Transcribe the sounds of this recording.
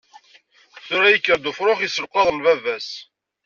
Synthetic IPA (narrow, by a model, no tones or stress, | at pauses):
θʊɾæjəkːəɾd̪ʊfɾˤoχjisəlqɑðˤənvævæs